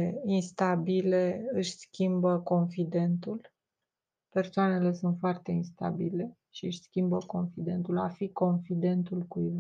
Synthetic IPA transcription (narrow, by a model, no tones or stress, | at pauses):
einst̪abileɨʃʲskʲimbəko̞nfid̪e̞nt̪ul | pe̞rsoane̞le̞sunt̪foart̪e̞inst̪a̰bile̞ | ʃiɨʃʲskʲimbəko̞nfid̪e̞nt̪ulafiko̞nfid̪e̞nt̪ulkui